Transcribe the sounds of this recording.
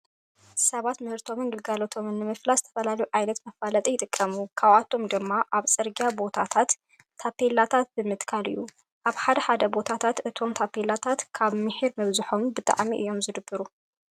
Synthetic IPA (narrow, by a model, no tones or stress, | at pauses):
sɐβat̪mɨhɨɾt̪ʰo̞mɨnɡɨlɡalot̪ʰo̞mɨnːɨmɨflazɨt̪ʰɐfɐlalɐjuʕajnɐt̪mɐfalɐt̪ʼijɪt̪ʼɨkʼʰːɐmukʰawat̪ʰo̞md̪ɨmːaʔaβsʼɨɾɡijabo̞t̪ʰat̪ʰat̪ʰː | apʰelat̪ʰat̪̚bɨmɨt̪kʰalɨ̰jːu | ʔaβħad̪ɐħad̪ɐbo̞t̪ʰat̪ʰat̪ʔɨt̪ʰo̞mt̪ʰapelat̪ʰat̪kʰaβmɨħiɾmɨβzɨħo̞mbɨt̪ʼa̰ʕmiʔɨ̰jːo̞mzɨd̪ɨbːɨɾu